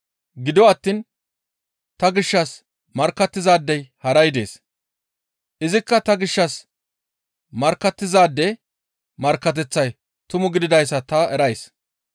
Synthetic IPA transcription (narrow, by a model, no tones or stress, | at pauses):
ɡɪd̪ɔɐt̪ːiːn | t̪ɐɡɪʃːɐs | mɐɾkːɐt̪ːɪzaːd̪ːɛjhɐɾɐjd̪e̞̰ːs | ʔɪzɪkːɐt̪ɐɡɪʃːɐs | mɐɾkːɐt̪ːɪzaːd̪ːɛ | mɐɾkːɐt̪̬ɛt͡sːɐj | t̪ʊmʊɡɪd̪ɪd̪ɐjs̬ːɐt̪ɐɛɾɐjs